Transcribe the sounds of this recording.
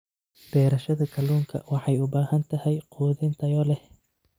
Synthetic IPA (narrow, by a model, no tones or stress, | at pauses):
b̥ɛːɾɐʃɐðɐkʰɐluːŋkʰɐ̰wɑħɑjʊbaːhɐnt̪ʰɐhɛjqʰuːðɪnt̪ʰɐjɔlɛh